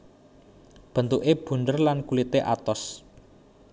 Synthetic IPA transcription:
b̥ə̤nt̪uʔeb̥ṳnd̪ərlankulit̪eʔa̰t̪ɔs

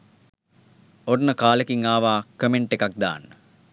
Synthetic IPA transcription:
ornəkaːləkiŋaːʋaːkəmeɳʈekak̚d̪a̰ːnːə

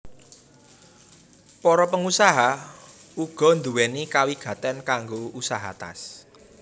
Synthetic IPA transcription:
pɔɾɔpəŋusaɦa | uɡ̥ɔ̤nd̪uwɛnikawiɡ̥ä̤t̪ɛnkaŋɡousaɦa̰t̪a̰s

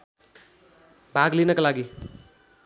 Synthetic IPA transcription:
bʱaɡlinʌkalaɡi

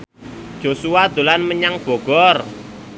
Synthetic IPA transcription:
d̥ʒ̥osuwad̪̥o̤lanməɲaŋb̥ɔ̤ɡ̥ɔr

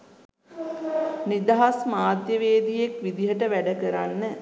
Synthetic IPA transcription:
nid̪aɦasmaːd̪jəʋeːd̪ijekʋid̪iɦəʈəʋæɖəkəɾanːə

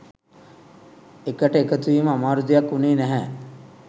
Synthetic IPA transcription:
ekəʈəekət̪uʋiːməamaːɾud̪ijakːuneːnæɦɛː

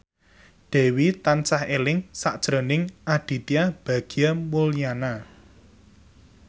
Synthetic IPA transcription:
ɖ̪̥ɛ̤wit̪ant͡ʃahelɪŋsaʔd̥ʒ̥ɾo̤nɪŋʔaɖ̥i̤t̪iab̥ä̤ɡ̥i̤jamulijana

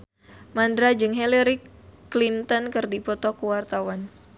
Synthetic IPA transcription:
mandɾad͡ʒɨŋɦɛlɛɾiklint̪ɔnkɨrdipɔt̪ɔkuwart̪awan

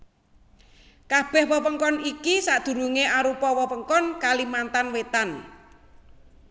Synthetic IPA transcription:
kab̥ɛ̤hwəwəŋkɔnikisaʔd̪̥ṳɾuŋeʔaɾupɔwɔwəŋkɔnkalimant̪anwet̪an

